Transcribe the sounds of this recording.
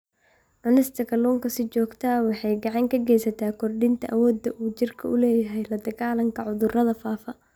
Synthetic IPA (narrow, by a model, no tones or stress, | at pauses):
ʕʊnɪst̪ʰɐkʰɐlɔːŋkʰɐsɪt͡ʃɔːɡt̪ʰɐwɑħɑjɡɑʕɑŋkʰɐɡɛjsɐt̪ʰaːkʰɔrɖɪnt̪ʰɐʔɐwɔːd̪ɐʔuːt͡ʃɪrkʰɐʊlɛːjɐɦɛjlɐd̪ɐɣaːlɐŋkʰɐʕʊðʊrɐðɐfaːfɐ